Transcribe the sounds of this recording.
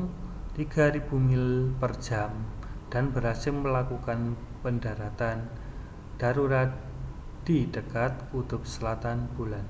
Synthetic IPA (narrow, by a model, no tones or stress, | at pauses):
t̪iɡ̥aɾib̥umɪlpərd̥d͡ʒ̥amd̥anbəɾasɪmmːəlakukan | pəndaɾat̪an | d̥aɾuɾat̪̚ | d̥id̥əkat̪̚kud̪ʊp̚səlat̪anb̥ulan